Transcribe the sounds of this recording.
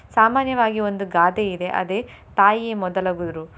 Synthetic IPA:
saːmaːnjɐʋaːɡio̞nd̪uɡaːd̪eid̪e̞ʔɐ̰d̪eː | t̪aːjieːmɔd̪ɐlaːɡud̪ɾu

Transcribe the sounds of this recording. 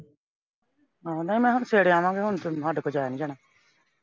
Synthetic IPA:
ɦãːnəĩːmɛ̃ːɦʊnseːɽeãːʋãːɡeɦʊnt̪oɦəɖkod͡ʒaːjaːnĩːd͡ʒaːnãː

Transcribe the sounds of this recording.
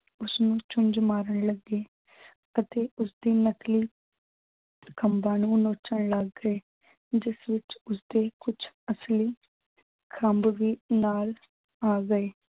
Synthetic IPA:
ʊsnũːt͡ʃʊnd͡ʒmaːɾəɳləɡeː | ət̪eːʔʊsd̪iːnəkliː | kəmbaːnũːnoːt͡ʃəɳləɡːəeː | d͡ʒɪsʋɪt͡ʃʊsd̪eːkʊt͡ʃʰ | əsliː | kʰəmbʋiːnaːl | aːɡəeː

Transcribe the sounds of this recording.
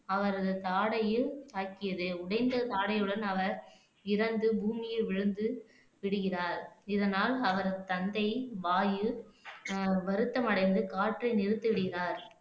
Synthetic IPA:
ɐʋɐɾɐðɯt̪aːɽɐjɯt̪aːkːɪjɐðɯʊɽɐɪnd̪ɐt̪aːɽɐjɯɽɐnɐʋɐɾ | ɪɾɐnd̪ɯbʱuːmɪjɯʋɪɻɯnd̪ɯ | ʋɪɽɯɣɪraːɾɪðɐnaːlɐʋɐɾɐðɯt̪ɐnd̪ɐɪʋaːjɯ | ʋɐɾɯt̪ːɐmɐɽɐɪnd̪ɯkaːʈrɐɪnɪɾɯt̪ːɯʋɪɽɯɣɪraːɾ

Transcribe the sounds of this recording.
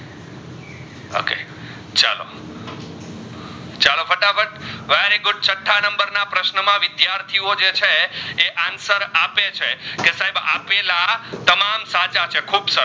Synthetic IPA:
o̰kḛ | t͡ʃa̰lo̰ | t͡ʃalofəʈafəʈʋeɾiɡʊɖ̚t͡ʃəʈʰːanəmbəɾnapɾəʃnəmãʋɪd̪jaɾt̪ʰiod͡ʒet͡ʃʰeːʔansəɾapet͡ʃʰekesaɦebapelat̪əmamsat͡ʃat͡ʃʰekʰubsə

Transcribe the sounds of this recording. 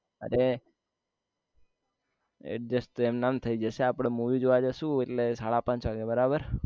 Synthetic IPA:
ə̰ɾe | ḛd͡ʒəst̪oemnamnt̪ʰəid͡ʒəseapɽ̃emuʋid͡ʒoʋad͡ʒəʃũeʈlesaɭapãɲt͡ʃʋaɡebəɾabəɾ

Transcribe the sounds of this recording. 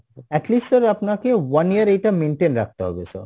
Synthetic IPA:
ɛʈlisʈsɔɾapnakewaniəɾejʈameɳʈenɾa̰k̚ʰt̪eɦɔ̰besɔ̰ɾ

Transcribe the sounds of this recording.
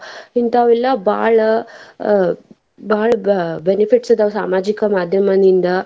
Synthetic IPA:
ɦint̪aʋilaba̰ɭ | baɭbenifiʈsəd̪aʋsa̰mad͡ʑikamad̪ʱjəmənind̪ə

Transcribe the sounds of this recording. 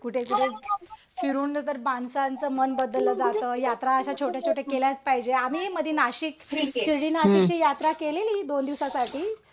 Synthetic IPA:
kuʈʰed͡zəɾe | fiɾuːnnət̪əɾbansant͡səːmənbəd̪əlːəːd͡zat̪əːjat̪ɾaəɕat͡ɕʰoʈjat͡ɕʰoʈjakeljat͡spaɦid͡ʑeamiːeməd̪ʱːjenaɕiksiɽiːnaɕik̚t͡ɕiːjat̪ɾakeleliːd̪ond̪iʋsasaʈʰiː

